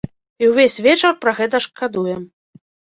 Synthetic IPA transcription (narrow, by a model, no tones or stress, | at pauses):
iwvʲesʲvʲɛt͡ʂɐrpɾɐɣɛt̪ɐʂkad̪ujɛm